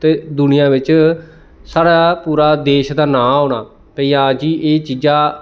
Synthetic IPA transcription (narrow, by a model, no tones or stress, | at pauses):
t̪eːd̪ʊnɪjãːʋɪt͡ʃ | saːɽaːpuːɾaːd̪eːʃd̪aːnãːɦoːɽaː | pəiːãːd͡ʒiːʔeːt͡ʃiːd͡ʒãː